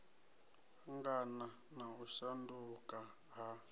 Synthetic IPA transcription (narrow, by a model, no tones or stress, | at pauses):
ŋɡana | nauʃandukʼa | ɦa